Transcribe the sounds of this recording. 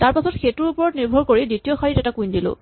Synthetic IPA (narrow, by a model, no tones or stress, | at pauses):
taɹpasɔtxetuɹupɔɹɔtniɹbʱɔɹkoɹiditiɔxaɹitɛtakũjndilʊ̰̃